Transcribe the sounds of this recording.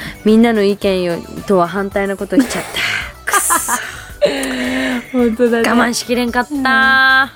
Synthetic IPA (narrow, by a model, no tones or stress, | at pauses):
mʲĩnːano̞ikẽ̞ɰ̃jot̪o̞βaɦãnt̪ainako̞t̪o̞i̥t͡ɕat̪ʰːḁk | hõnt̪od̪aɡamãɰ̃ɕi̥kʲiɾẽ̞ŋkat̪ːa